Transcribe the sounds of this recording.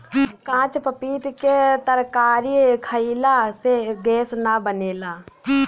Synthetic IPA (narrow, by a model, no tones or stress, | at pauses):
kãːt͡ʃpəpiːt̪ket̪əɾkaːɾikʰəilaseɡɛːsnabəneːlaː